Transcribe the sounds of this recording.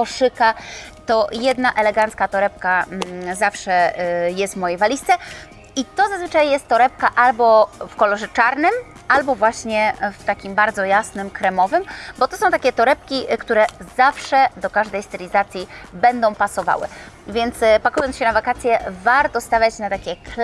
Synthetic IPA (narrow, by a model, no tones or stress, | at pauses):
kɔʂɘka | t̪ɔjɛd̪naʔɛlɛɡant̪skat̪ɔɾɛp̚kazafʂɛjɛst̪vmɔjejvalʲist̪sɛ | it̪ɔzazvɘt͡ʂajːɛst̪ːɔɾɛp̚kaʔalbɔfkɔlɔʐɛt͡ʂaɾnɘm | albɔvwaɕɲɛft̪akʲimbaɾd̪zɔjasnɘmkɾɛmɔvɘmbɔt̪ɔsɔ̃w̃t̪akʲɛt̪ɔɾɛp̚kʲikt̪uɾɛzafʂɛd̪ɔkaʐd̪ɛjst̪ɘlʲizat̪sʲjibɛnd̪ɔ̃w̃pasɔva̰wɘ̰ | vʲjɛnt̪spakujɔnsɕɛnavakat̪sʲjɛvaɾt̪ɔst̪avʲjat͡ɕnat̪akʲɛkl